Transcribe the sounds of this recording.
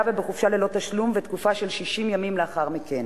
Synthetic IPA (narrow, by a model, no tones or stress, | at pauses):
vebeχufʃalelo̞t̪aʃlumvet̪kufaʃe̞lʃiʃimjamimleaχaʁmiken